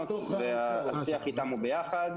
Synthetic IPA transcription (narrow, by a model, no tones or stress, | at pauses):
veaasiaχit̪amubejaχad̪